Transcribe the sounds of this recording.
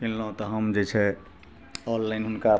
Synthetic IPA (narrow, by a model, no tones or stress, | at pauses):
kilːə̃t̪ɔɦəmd͡ʒɛt͡ʃʰɛ | ɔlːajnɦunka